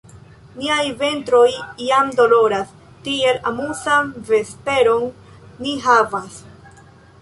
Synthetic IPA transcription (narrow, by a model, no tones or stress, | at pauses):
niajve̞ntɾo̞jːamdo̞lo̞ɾas | tie̞lamusanve̞spe̞ɾo̞nː | iɦavas